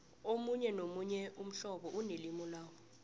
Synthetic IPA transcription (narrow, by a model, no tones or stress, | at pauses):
omuɲɛnomuɲɛum̩ɬɔɓɔʔunelimɔlaːwɔ